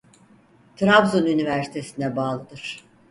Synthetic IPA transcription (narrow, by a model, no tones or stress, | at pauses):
t̪ʰɾavzunynivæɾsi̥t̪ʰe̞sind̪ɛbaːlˠɯd̪ɯɾ̥